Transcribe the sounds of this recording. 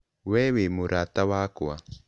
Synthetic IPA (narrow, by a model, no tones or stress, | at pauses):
wɛwemuɾatawakua